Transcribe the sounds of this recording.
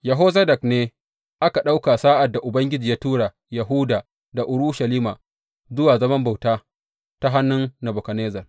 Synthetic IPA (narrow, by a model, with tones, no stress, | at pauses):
ja˨ɦoː˦zɐ˦dɐ˨kneː˦ | ʔa˦ka˨ɗa˦wka˨saː˦ʔa˨dːa˨ʔʊ˨bɐ˦ŋɡʲɪ˦d͡ʒiː˨jaː˦tuː˦ɽa˨ | ja˨ɦu˦daː˨ | da˨ʔʊ˨ɽʊ˦ʃa˨liː˦ma˨ | zʊ˦waː˨zɐ˦mɐ˦mba˨wtaː˦ | ta˦ɦa˦nːʊ˦nːɐ˨bʊ˨kɐ˨neː˦zɐ˨r